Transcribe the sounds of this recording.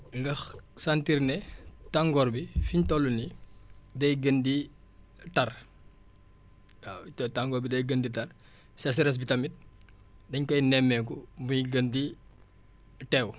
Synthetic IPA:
ŋɡɐxsantiɾnɛtaŋɡɔːɾbifiɲtɔlːuni | dɐjɡəndi | tɐr | taŋɡɔːɾbidɐjɡənditɐr | sɛsɛɾɛs̬bitɐmit̚ | dɐɲkɐjnɛmːɛkɔbujiɡəndi | tɛw

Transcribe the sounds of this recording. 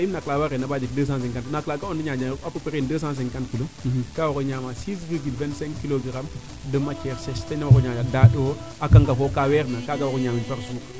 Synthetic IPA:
ajimnaklaːwaɾenabad͡ʒik̚dəːs̬ãːs̬ɛŋkantnaklakaɔndiɲad͡ʒaapəpɾendəːsãːs̬ɛŋkantkilokawakoɲaːmasis̬viɡilvɛ̃ntsɛ̃ŋkiloɡiɾam | dəmat͡ʃɛɾsɛstɛnawakoɲad͡ʒadaːɗo | akaŋɡafokawɛɾnakaːɡawkoɲamipaɾsuk

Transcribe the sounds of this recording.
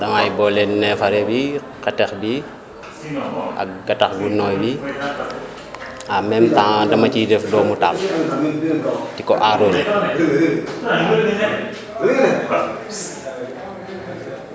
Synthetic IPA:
dɐmajbɔːlɛnnɛfɐɾɛbi | kɐtɛxbi | ɐ̰k̚ɡɐtɐxɡunːɔːjbi | amɛmtadɐmɐcidɛfdɔːmutal | tikɔʔaɾonɛ

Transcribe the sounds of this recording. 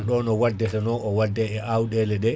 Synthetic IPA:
ɗɔnɔwadːɛsɛnɔʔɔwadːɛɛʔawɗɛlɛɗɛ

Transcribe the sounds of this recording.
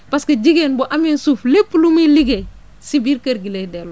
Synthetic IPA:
pasked͡ʒiɡenbuʔaminsuːflepːlumiliɡe | sibiːɾkɐɾɡiledɛl

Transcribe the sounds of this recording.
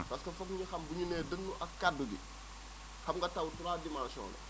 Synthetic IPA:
pɐskɐfɔkɲixɐmbuɲunɛːdənːuʔɐkːaduɡḭ | xɐmŋɡɐtawtuɾaːdimansɔ̰ːlɛ̰

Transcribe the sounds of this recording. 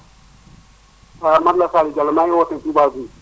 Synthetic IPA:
amadlasalid͡ʒalmajowotətubazu

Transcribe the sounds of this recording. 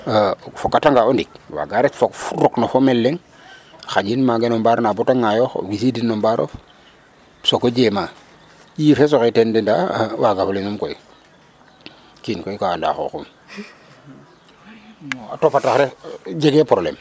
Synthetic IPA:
fokːataŋɡaondik̚wa̰ɡaɾetfoɾoknofomelːeŋ | xad͡ʒinmaɡenombaɾnabotaŋajoxo̰wisidinːombaɾʔo̰f | sokod͡ʒema | jifes̬oxetendenda̰waɡaflinumkoi | kinkoikanda̰xo̰xṵm | atopataxɾed͡ʒeɡepɾolḛm

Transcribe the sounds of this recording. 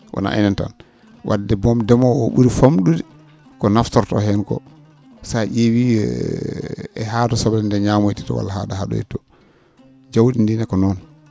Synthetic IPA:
ʔɔ̰na̰ʔɛ̰nɛnta̰n | wʔa̰dːɛbɔmdɛmɔɔɓṵɾifamɗudɛ | kɔnaftɔɾtɔ̰hɛnkɔ̰ | saʔewḭ | ɛɦatɔsɔblɛndɛɲamojti̥tɔ̰wa̰lːaha̰dahaɗɔ̰jɛ̰tːɔ | d͡ʒawdindinɛkɔnɔn

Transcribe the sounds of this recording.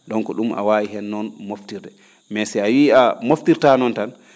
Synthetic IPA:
ɗɔŋkɔɗuma̰waiɦɛnːɔnmoftiɾdɛ | mɛsɛawiːamoftiɾtanɔntan

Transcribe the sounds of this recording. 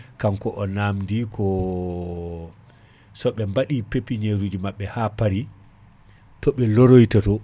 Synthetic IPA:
kamkɔʔɔnamndikʰɔ | sɔɓɛmbaɗipepːiɲeɾud͡ʒimaɓːɛhapaɾi | tɔɓɛloɾojtatɔ

